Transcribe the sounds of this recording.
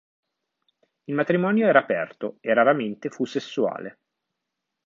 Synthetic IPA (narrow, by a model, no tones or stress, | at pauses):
ilmat̪ɾimɔːnjoɛːɾaːpɛrt̪oeraɾament̪efusːesːua̰ːle